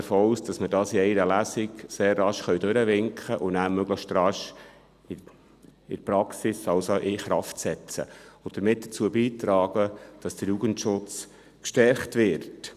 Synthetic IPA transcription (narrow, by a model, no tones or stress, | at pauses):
əɾfoːusd̥ɑsmədɑːsiɛɪɾəlæsɪkseːrːɑʃχœɥdøɾəʋɪŋkχəʔʊnæːmøɡ̥ləʃtrɑʃ | ɪ | ɪ̰ɾpɾɑksisɑwsoʔɪχɾɑftsɛt͡sə̰ʊd̥̪əɾmɪt̚d̥ə̥t͡suːəbiːt̪ɾɑːɡ̥əd̥ɑsd̥əɾjuɡ̥əntʃʊt͡s | kʃtɛɾχtʋɪɾt